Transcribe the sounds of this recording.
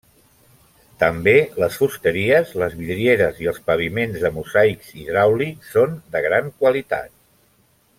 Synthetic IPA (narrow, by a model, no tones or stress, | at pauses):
t̪əmbeləsfust̪əɾiəzləzβiðɾieɾəziəlˠspəβ̞imenzðəmuzajkziðɾawlisond̪əɣ̞ɾaŋkwəlit̪a̰t̪